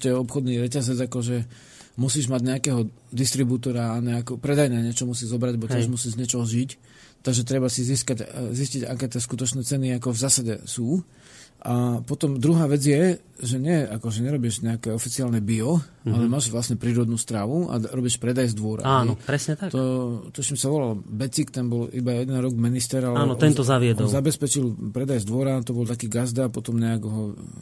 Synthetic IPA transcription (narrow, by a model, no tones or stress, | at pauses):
c̪ɛɔpxɔd̪niɾɛcazɛd͡zakɔʒɛ | musiːʒmaɟɲɛakɛːɦɔd̪ist̪ɾibut̪ɔɾaːɲɛːkɔpɾɛd̪ajnɛɲɛt͡ʃɔmusiːzɔbɾaɟlɛbɔt̪ɪɛʒmusiːʒzɲɛt͡ʃɔɦɔʒic | t̪aɡʒɛt̪ɾɛbasiziːskaɟzisciɟa̰kɛːt̪ɪɛskut̪ɔt͡ʃnɛːt͡sɛniakɔvzaːsaɟɛ̰suː | ʔapɔt̪ɔmd̪ɾuɦaːʋɛd͡zjɛ | ʒɛɲɪɛakɔʒɛɲɛɾɔbiʒɲɛakɛɔfit͡siaːlnɛbiɔʔalɛmaːʒʋlasɲɛpɾiːɾɔd̪nuːst̪ɾaːʋua̰ɾɔbiʃpɾɛd̪ajzd̪ʋʊɔɾa̰anɔpɾɛsɲɛt̪akt̪ɔt̪ɔʃimsaʋɔlalbɛt͡sikt̪ɛnbɔlibajɛd̪ɛnɾɔɡminist̪ɛɾalɛaːnɔt̪ɛnt̪ɔzaʋɪɛd̪ɔlzabɛspɛt͡ʃilpɾɛd̪ajzd̪ʋɔɾat̪ɔbɔlt̪akiːɡazd̪apɔt̪ɔmɲɛaɡɦɔ